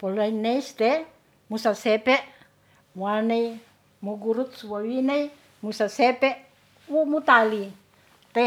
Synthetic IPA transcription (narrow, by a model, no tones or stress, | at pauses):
polaineist̪e | musasepeʔ | muanei | muɡuɾut̪̚suwawinei | musasepeʔ | wumut̪ali | t̪e